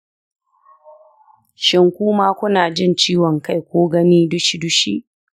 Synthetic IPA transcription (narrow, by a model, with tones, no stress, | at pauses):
ʃɪ˨ŋkʷuː˦maː˦kʷʊ˦naː˨d͡ʒɪ˦nt͡ʃiː˦wɔ˨ŋka˦˨jkʷoː˦ɡɐ˦niː˦dʊ˦ʃi˦dʊ˦ʃḭ˦ʔ